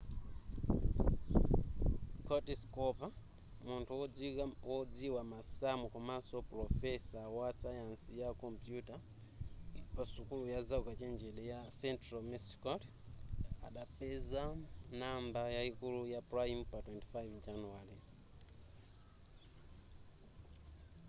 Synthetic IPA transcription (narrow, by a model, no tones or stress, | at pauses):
kɔtiskɔpa | muntʰuwɔd͡ziwamasamukumasopɾɔfɛsawasajansijakɔmpjuta | pasukulujazaukat͡ʃeɲd͡ʒeɗejasɛntramisi̥kɔt | a̰ɗapɛzanambajaikulujaprajimpatwɛnti̥fajvd͡ʒanuwali